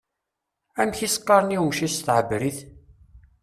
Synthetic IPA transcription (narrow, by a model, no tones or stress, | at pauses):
æmçisqːɑɾniwʃist̪ʕəbɾiθ